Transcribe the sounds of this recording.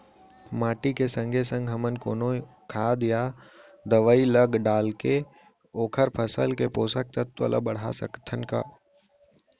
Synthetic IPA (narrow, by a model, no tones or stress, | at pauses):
maːʈikesə̃ŋɡʱesə̃ŋɡʱɦəmənkoːno | kʰaːd̪ja | d̪əʋəiləɡɖaːlke | oːkʰəɾpʰəsə̰lkepoːsək̚t̪ət̪ʋə̰lʔə̰bəɽ̤a̰sə̰kt̪ʰənka̰ː